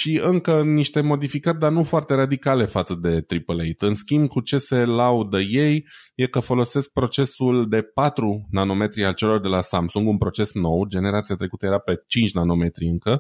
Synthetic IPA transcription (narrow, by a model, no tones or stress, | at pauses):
ʃiɨŋkəniʃt̪e̞mo̞d̪ifikərʲd̪arnufoart̪e̞ɾad̪ikale̞fat̪səd̪e̞t̪ɾipəlejt̪ɨnskʲimbkut͡ʃe̞se̞laud̪əje̞jje̞kəfo̞lo̞se̞sk̚pɾo̞t͡ʃe̞suld̪e̞pat̪ɾunano̞me̞t̪ɾialt͡ʃe̞lo̞rd̪e̞lasamsuŋɡunpɾo̞t͡ʃe̞sno̞wd͡ʒe̞ne̞ɾat̪siat̪ɾe̞kut̪əje̞ɾape̞t͡ʃint͡ʃʲnano̞me̞t̪ɾiɨŋkə